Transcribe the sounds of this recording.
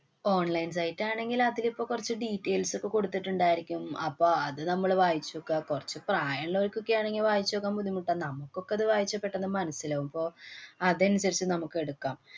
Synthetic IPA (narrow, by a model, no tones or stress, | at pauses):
o̞ːɳlɐjns̬ɐjtːaːɳe̞ŋɡilɐðilipːo̞ːkːurɐt͡ɕːɨɖiːʈːejlso̞kːe̞ko̞ɽut̪ːiʈːuɳɖaːjiɾikʲːumɐpːo̞ːɐðɨnɐmːɐɭʋaːjit͡ɕːokːakurɐt͡ɕːɨpraːjɐɳloɾikʲːo̞kːejaːɳeŋɡilʋaːjit͡ɕːokːaːmpuðimuʈːanɐmːukːo̞kːeɐðɨʋaːjit͡ɕːɐpːe̞ʈːenːɐmɐnɐsilɐːumbo̞ːɐðɐnusɐɾit͡ɕːɨnɐmukːɨe̞ɽukːaːm